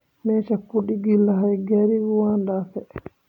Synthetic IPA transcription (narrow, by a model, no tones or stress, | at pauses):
mɛːt͡ʃapːuɗiɡilːaɦajɡaɾiɡuwandafɛ